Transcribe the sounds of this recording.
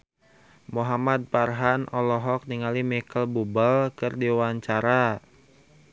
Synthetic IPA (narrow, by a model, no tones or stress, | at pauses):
muɦamad̪̚parɦanɔlɔɦɔk̚niŋalimikəlbubəlkɨrdiwaɲt͡ʃaɾa